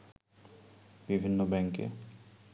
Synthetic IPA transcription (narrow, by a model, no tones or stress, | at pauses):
bibʱinːobɛŋkḛ